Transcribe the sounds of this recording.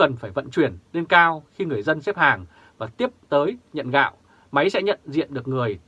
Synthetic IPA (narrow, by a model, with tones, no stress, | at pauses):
kə˨˩nfaː˧˩jvə̰˧˨nt͡ɕwi˧˩ənɗe˧nkaː˧wxi˧ŋɨ˨˩əjzə˧nsɛ˦˥p̚haː˨˩ŋ | vaː˨˩t̪i˦˥əp̚t̪əː˨˦jɲə̰˧˨nɣa̰ː˧˨w | ma˨˦jsɛ̰˧˥ɲə̰˧˨nzḭ˧˨ənɗɨ˨˩ək̚ŋɨ˨˩əj